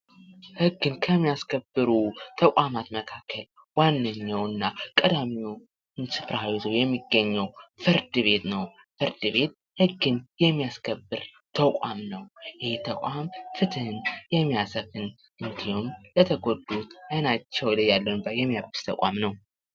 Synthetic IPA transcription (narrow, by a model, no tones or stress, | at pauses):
hɨɡːɨnkʰəmːijaskʰəbːɨɾut̪ʰəkʷʼamat̪məkʰakʰːəl | wanːɨɲːawɨnːakʼəd̪amiu | ɨnsɨfɾahawizəwjɛmːiɡːəɲːɛwfɨɾd̪ɨβe̞t̪nəw | fɨɾd̪ɨβe̞t̪̚ | hɨɡːɨnjɛmːijaskʰəbːɨɾ | t̪ʰəkʼamnəwjɪht̪ʰəkʷʼamfɨt̪ʰɨhɨnjɛmːijasəfɨn | ʔɨnd̪ihumlət̪ʰəɡo̞d̪ut̪ɨnat͡ʃːɛwləjalːəbəjɛmːijabɨ̥st̪ʰəkʼa̰mnəw